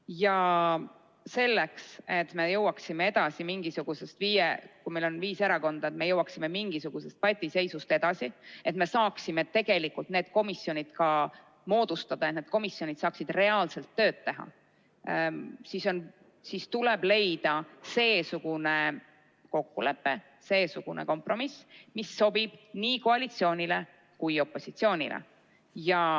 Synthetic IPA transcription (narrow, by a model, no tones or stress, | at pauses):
jɑ | se̞lːekse̞t̪me̞jɤwɑksimeed̪̥ɑsimiŋɡ̥isuɡ̥use̞st̪viːjekujmejlo̞nviːseɾɑko̞nd̪̥ɑet̪me̞jɤwɑksime̞miŋɡ̥isuɡ̥use̞st̪̚pɑjt̪ʲːˑise̞jsust̪e̞d̪̥ɑsie̞t̪me̞sɑːksimet̪e̞ɡ̥e̞likːult̪ne̞ːd̪̚ko̞misjo̞nʲid̪̥kɑ | mo̞ːd̪̥ust̪ɑd̪̥ɑened̪̥̚ko̞misːjo̞nʲid̪̥sɑːksid̪re̞ɑːlse̞lt̪ːø̞ːdt̪ːe̞ɦɑ̰ | siso̞n | sist̪ule̞b̥le̞jd̪̥ɑse̞ːsuɡ̥une̞ | ko̞kːule̞pːe̞ | se̞ːsuɡ̥unḛko̞mpro̞mismisːo̞b̥ib̥niːko̞ɑlit̪sio̞ːnʲile̞ | kujo̞pːˑo̞sit̪sio̞ːnʲḭlʔḛ | jɑ